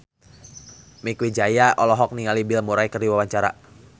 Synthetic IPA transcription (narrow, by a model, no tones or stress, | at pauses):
mikwid͡ʒajaʔɔlɔɦɔk̚niŋalibɪlmuɾajkərdiwawaɲt͡ʃaɾa̰